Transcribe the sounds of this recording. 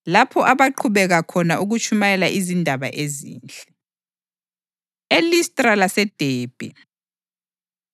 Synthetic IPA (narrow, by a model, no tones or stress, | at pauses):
lapʰɔʔaβaǃʰuβɛɣakʰɔnaʔuɣut͡ʃʰʼumajɛlaʔizindʱaβa̰ʔezḭːnt͡ɬʼɛ̥ | elistʼralasɛd̥ʱeːb̥ʱɛ